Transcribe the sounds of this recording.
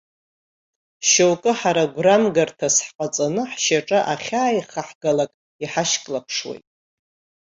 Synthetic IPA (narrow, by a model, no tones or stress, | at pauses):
ʃowkʼɨħaɾaɡʷramɡartʰasħqʼat͡sʼanɨħʃaʈ͡ʂʼaʔaχʲaːjχaħɡalakʼ | iħaʃkʼlapʰʂwḛjtʼ